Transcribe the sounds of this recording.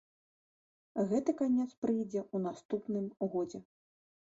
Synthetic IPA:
ɣɛt̪ɨkanʲɛt̪spɾɨjd͡zʲɛunast̪upnɨmɣɔd͡zʲɛ

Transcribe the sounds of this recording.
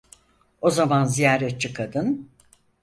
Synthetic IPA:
o̞zamanzijaːɾɛt̪̚t͡ʃɯkʰad̪ɯn

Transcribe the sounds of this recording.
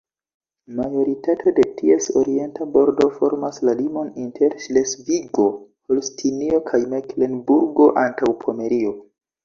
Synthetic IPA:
majo̞ɾitatʰo̞de̞tʰie̞so̞ɾie̞ntabo̞ɾdo̞fo̞ɾmaslalimo̞nintʰe̞ɾʃlesviɡo̞holstʰinio̞kʰajmekle̞nbuɾɡo̞ʔantawpʰo̞me̞ɾio̞

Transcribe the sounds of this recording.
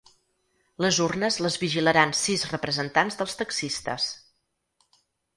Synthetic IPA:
ləzurnəzləzβiʒiləɾansizrəpɾəzənt̪anzðəlˠst̪əksist̪ə̰s

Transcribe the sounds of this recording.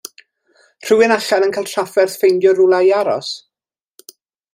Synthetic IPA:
r̥ɨwɪnaɬanənkʰaɪlˠtʰrafɛrθfejndjɔɾulˠajaɾɔ̰s

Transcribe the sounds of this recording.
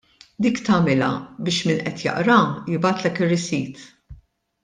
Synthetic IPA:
d̪iːkt̪ɐːmɪlɐ̰bɪːʃmɪnʔɛt̪jɐ̰ʔɾɐjɪbɐːt̪lɛkɪrːɪsiːt̪

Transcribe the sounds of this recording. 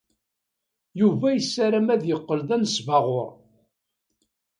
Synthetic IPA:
juvæjəsːæɾæmæðjəqːəlðænsvɑʁʊɾ

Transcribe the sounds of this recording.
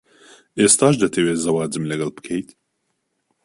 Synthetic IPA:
ʔeːst̪aːʃd̪ɐt̪ʰɐweːzɐwaːd͡zɨmlɐɡɐlbɨ̥kʰɛjt̪

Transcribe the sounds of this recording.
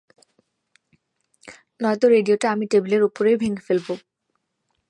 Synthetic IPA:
nɔet̪oɾeɖioʈaamiʈebleɾupoɾejbʱeŋefelbo

